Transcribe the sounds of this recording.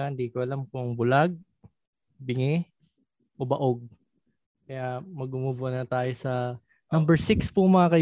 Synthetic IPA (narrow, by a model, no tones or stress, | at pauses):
aɪnd̪iːkoʔɐlamkʊŋbʊlaɡ̚ | bɪŋɛ | ʔobɐʔoɡ̚ | kɐjamɐɡʊmubʊʔɐnɐt̪aːjosɐ | nɐmbɛɹsɪkspʊmɐakɐj